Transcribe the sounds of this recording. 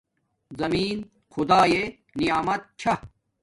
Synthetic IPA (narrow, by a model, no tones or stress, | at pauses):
zɐmiːn | xud̪aːje | nijaːmɐt̪̚t͡ɕʰɐ